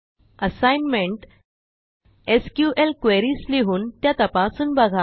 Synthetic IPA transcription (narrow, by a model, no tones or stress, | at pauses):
əsajnmeɳʈ | eskjuʔelkʋeɾiːsleɦuːnt̪jat̪əpasuːnbəɡʱa